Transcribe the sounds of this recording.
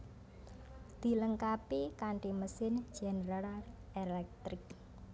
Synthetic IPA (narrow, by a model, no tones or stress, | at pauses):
d̪̥i̤ləŋkapikaɳʈiməsɪn̥d͡ʒ̥ɛnɾaɾa | elɛk̚t̪ɾɪk̚